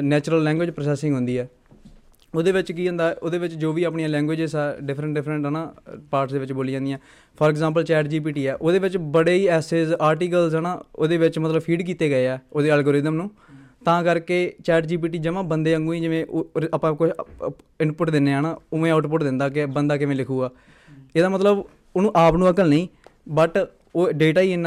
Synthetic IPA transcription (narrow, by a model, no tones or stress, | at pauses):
nɛːt͡ʃɾəlːɛ̃ːŋɡweːd͡ʒpɾosɛːsɪ̃ŋɡɦʊ̃nd̪iːɛː | oːd̪eːʋɪt͡ʃkiːɦõːnd̪aːʔoːd̪eːʋɪt͡ʃd͡ʒoːʋiːapɳijãːlɛ̃ːŋɡʋeːd͡ʒesaːɖɪpʰɾə̃ɳʈɖɪpʰɾəɳʈɦɛːnãːpaːɾʈsd̪eːʋɪt͡ʃboːlid͡ʒãːnd̪ijãː | pʰɔːɾɛɡzãːmp̬əlt͡ʃɛːʈd͡ʒiːp̬iːʈiːɛːʔoːd̪eːʋɪt͡ʃbəɽeːiːɛːseːzaːɾʈiːkəlzɦənaːoːd̪eːʋɪt͡ʃmət̪ləbpʰiːɖkiːt̪eːɡəeːɛːoːd̪eːəlɡoːɾɪd̪əmnũː | t̪ãːkəɾkeːt͡ʃɛːʈd͡ʒiːp̬iːʈiːd͡ʒəʋãːbənd̪eːə̃ŋɡũːĩːd͡ʒɪʋẽːʔəpːãːkʊt͡ʃʰɪnpʊʈd̪ɪnːeːɦəːnaːʊʋẽːaːʊʈpʊʈd̪ɪ̃nd̪aːk̬ɪbənd̪aːk̬ɪʋẽːlɪkʰuːɡaː | eːd̪aːmət̪ləb | ʊnũːʔaːpnũːəkəlnəĩːbəʈ | oːɖeːʈaːiːɪnː